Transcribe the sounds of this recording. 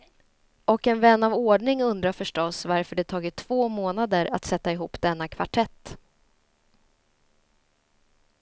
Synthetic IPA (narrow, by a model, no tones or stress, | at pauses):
ʔɔkɛnvɛnːavoːɖɳɪŋɵnd̪ɾafœʂʈɔsvaɾfœɖɛt̪ʰɑːɡɪt̪ʰːv̥oːmoːnad̪əɾa̰t̪sɛt̪ːaɪɦuːpːd̪ɛnːakʰvaʈʰɛt̪ː